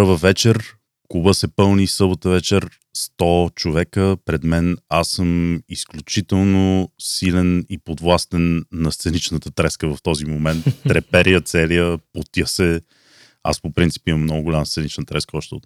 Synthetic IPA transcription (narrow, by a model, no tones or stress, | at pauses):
vəvɛt͡ʃɛɾ | kubəsɛpɤlˠnisɤbot̪əvɛt͡ʃɛɾ | st̪ɔt͡ʃovɛkəpɾɛd̪mɛnasːɤmisklʲut͡ʃit̪ɛlˠnosilɛnipod̪vlˠast̪ɛnːɐst̪sɛnit͡ʃnət̪ət̪ɾɛskəvɐft̪ɔzimomɛnt̪ːɾɛpɛɾijət̪sɛlijəpot̪jəsɛ | a̰spopɾint̪si̥piməmnɔɡʊɡʊlʲaməst̪ɛnit͡ʃnət̪ɾɛskəɔʃt̪ɛʊ̰t̪